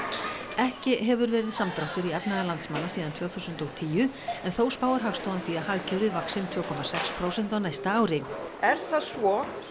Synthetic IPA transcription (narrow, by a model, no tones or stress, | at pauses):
ɛhcɪɦɛvʏɾvɛːɾɪðsamt̪ɾɔht̪ʏɾiɛpnaɣalant̪smanːasiːðant̪ʰvœːθusʏnt̪ɔɣt̪ʰiːʏ | ɛnθowspaːwaɾ̥ɦaɣst̪owanθiːahaɣcʰɛwɾɪðvaksɪmt̪ʰvœːkʰɔmasɛkspʰɾowsɛnt̪awnaːjst̪aaːwɾɪɛɾ̥θaðsvɔ